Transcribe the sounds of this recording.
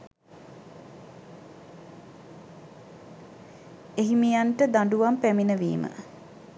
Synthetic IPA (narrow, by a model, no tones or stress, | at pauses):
eɦimijaɳʈəd̪aɳɖuʋampæminəʋḭːmə̰